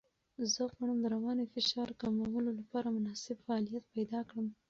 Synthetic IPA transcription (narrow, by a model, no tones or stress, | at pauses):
zəɣaɳəmd̪əɾawɑnefɪʃɑɾkamawəlolapɑɾamʊnɑsɪbfaːlijat̪̚pajd̪ɑkɽəm